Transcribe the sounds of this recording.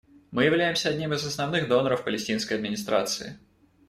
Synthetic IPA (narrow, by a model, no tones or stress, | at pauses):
mɨjɪvlʲæjɪmsʲəɐdʲnʲimɨzəsnɐvnɨɣd̪o̞nəɾəfpəlʲɪsʲtʲinskəjɐd̪mʲɪnʲɪst̪ɾʔa̰t̪sɨ̰ɪ̰